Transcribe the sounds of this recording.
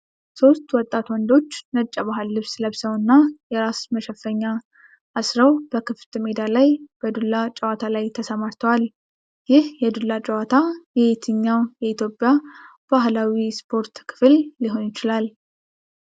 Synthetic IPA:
so̞st̪wɔt̪ʼːat̪wɔnd̪o̞t͡ʃːnət͡ʃʼːabaɦɨlːɨβsləβsəwɨnːajɛɾasməʃɛfːəɲːaː | sɾəwbəkʰɨft̪ʰɨmed̪alajb̥əd̪ulːat͡ʃʼɛwat̪ʰalajt̪ʰəsəmaɾt̪ʰəwal | jɪhjɛd̪ulːat͡ʃʼɛwat̪ʰajɛet̪ʰɨɲːawjɛit̪ʰjo̞pʼːjab̥aɦlawispʰo̞ɾt̪kʰɨ̥flːiɦo̞njɪt͡ʃɪlal

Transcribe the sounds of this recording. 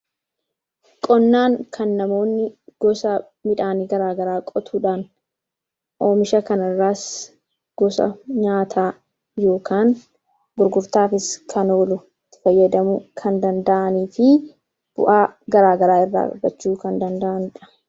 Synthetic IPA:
kʼɔnːaːŋkʰɐnːɐmo̞ːnːɪɡ̥ɔsɐ | mɪᶑaːniɡɐɾaːɡɐɾaːkʼɔt̪ʰuːᶑaːn | ʔo̞ːmɪʃɐkɐnɐrːaːs | ɡ̥ɔsɐ̰ɲaːt̪ʰaː | jo̞ːkaːn | ɡʊɾɡʊɾt̪aːfɪskʰɐno̞ːlʊ | t̪ːɪ̥fɐjːɐd̪ɐmʊkʰɐnd̪ɐnd̪ɐʔɐniːfɪ | b̥ʊ̰ʔaːɡɐɾaːɡɐɾaːɪrːa̰ːkʼɔ̰bɐt͡ʃːuːkɐnd̪ɐnd̪ɐʔɐnᶑɐ̥

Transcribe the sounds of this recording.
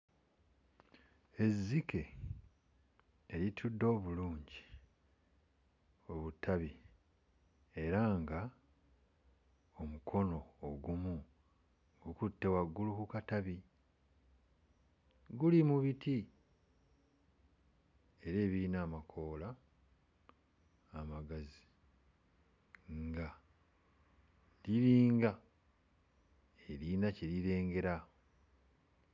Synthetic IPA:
e̞zːikʰe̞ | litʰudːo̞ːβuluːɲɟi | o̞βutʰaβi | e̞ɾaŋɡa | omukʰo̞no̞ːɡumu | ŋɡukutːe̞waɡːulukukataβi | ɡulimuβitʰi | e̞ɾe̞ːβiːnaːmakʰo̞ːla | maɡazi̥ | ŋɡa | liɾiːŋɡa | eɾinaceɾiɾe̞ːŋɡe̞ɾa

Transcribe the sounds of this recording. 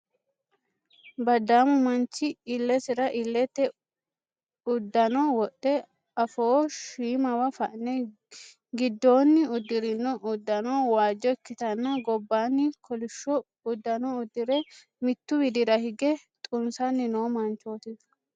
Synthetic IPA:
bɐd̪aːmʊmɐnt͡ʃːɪɪlːɛsɪɾɐʔɪlːɛt̪ːɛ | ʊd̪ːɐnɔwɔɗːɛ | ɐfoːʃiːmɐwɐfɐʔnɛ | ɡɪd̪ːo̞ːnːɪʊd̪ːɪɾɪnːɔʔʊd̪ːɐnɔwaːd͡ʒːɔɛkːɪt̪ɐnːɐɡɔbːaːnːɪkʰɔlɪʃːɔ | ʊd̪ːɐnɔʊd̪ːɪɾɛ | mɪt̪ːʊbɪd̪ɪɾɐhɪɡɛt̪ʼʊnsɐnːɪnoːmɐnt͡ʃːoːt̪ɪ

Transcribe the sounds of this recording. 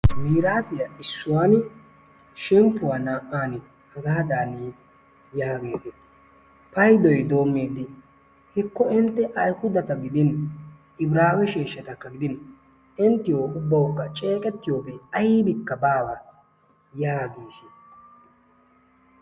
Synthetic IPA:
biːɾaːfɪjɐʔɪsːʊwaːn | ʃɛmpːʊwaːnaːʔaːnɪ | hɐɡaːd̪aːni | jaːɡe̞ːt̪ɪ | pɐjd̪ɔjd̪o̞ːmːeːd̪ɪ | hɪkːɔɪnt̪ːɛʔɐjhʊd̪ɐt̪ɐɡɪd̪ɪn | ɪbɾaːwɛʃeːʃːɐt̪ɐkːɐɡɪd̪ɪn | ɪnt̪ːɪjoːʊbːɐwʊkːɐt͡ʃʼe̞ːkʼɛt̪ːɪjo̞ːbɛɐjɪbɪkːɐbaːwɐ | jaːɡeːʃɪ

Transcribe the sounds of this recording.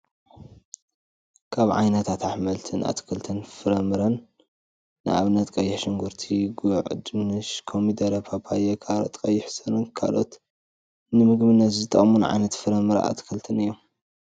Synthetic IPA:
kʰaβʕa̰jnɐt̪ʰat̪ʕaħmɐlt̪ʰɨnʔa̰t̪ʰkʰɨlt̪ʰɨnfɨɾɐmɨɾɐnː | ɨ̰ʔa̰βnɐt̪kʼɐjːɪħʃɨŋɡuɾt̪ʰiɡuʕd̪ɨnɨʃkʰomid̪ɐɾɐpʰapʰajɐkʰaɾɐt̪ʼkʼɐjːɪħsɐnɨnkʰa̰lo̞t̪ | nɨmɨɡmɨnːɐt̪zɨt̪ʼɐχʼmunɨʕa̰jnɐt̪fɨɾɐmɨɾa̰ʔa̰t̪ʰkʰɨlt̪ʰɨnɨjːom

